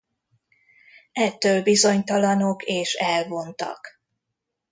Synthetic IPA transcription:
ɛt̪ːøːlbizo̞ɲt̪ɒlɒno̞keːʃɛlvo̞nt̪ɒ̰k

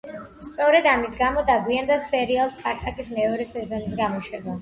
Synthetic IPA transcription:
st̪sʼɔɾɛd̪amisɡamɔd̪aɡwiand̪asɛɾialˠspʼaɾt̪ʼakʼismɛɔɾɛsɛzɔnis̬ɡamɔʃɛda

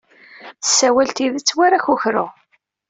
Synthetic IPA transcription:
θə̥sːæwælt̪iðət͡sːwaɾaçuçɾʊʁ

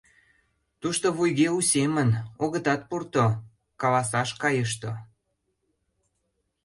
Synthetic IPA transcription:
t̪uʃt̪oβujɣeusemənoɣət̪ɑt̪̚purt̪o | kɑlɑsɑʃkɑjəʃ̬t̪o

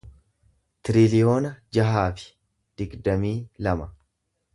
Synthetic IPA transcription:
t̪ɪɾɪlɪjo̞ːnɐd͡ʒɐɦaːfɪ̥ | d̪̥ɪɡd̪ɐmiːlɐmɐ

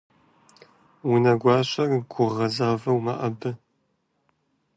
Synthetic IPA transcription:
wʊnɐɡʷɑːɕʷɐrɡʷʊʁɐzaːvɐwmɐ̰ʔɐbɨ

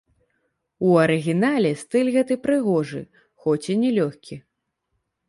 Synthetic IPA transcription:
uɐɾɨɣʲinalʲɛst̪ɨlʲɣɛt̪ɨpɾɨɣɔʐɨ̰ | xɔt͡sʲinʲɛlʲɔxʲkʲʰi

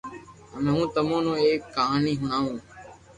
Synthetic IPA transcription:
əmẽːɦũːt̪əmõːnõːeːkːaːɦaːniːɦʊɳãːũː

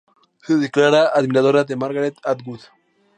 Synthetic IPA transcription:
seðeklaɾaʔːðmiɾaðoɾad̪emaɾɣaɾet̪at̪ɡuð

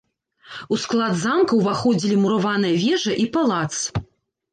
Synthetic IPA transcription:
usklˠad̪zamkɐwvaxɔd͡zʲilʲimuɾavanɨjɐvʲɛʐɐʔipalˠat̪s

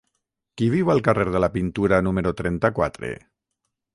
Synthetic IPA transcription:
kiβ̞iwalˠkareɾð̞əlapint̪uɾanuməɾot̪ɾɛnt̪akwa̰t̪ɾḛ

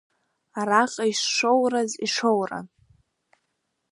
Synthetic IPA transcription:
aɾaqʼaiʂːowraziʂowra̰

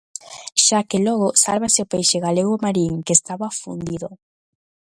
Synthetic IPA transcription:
ʃakelɔɣ̞ʊsalβaseopejʃeɣaleɣʊmaɾiŋkeːst̪aβafṵnd̪iðʊ

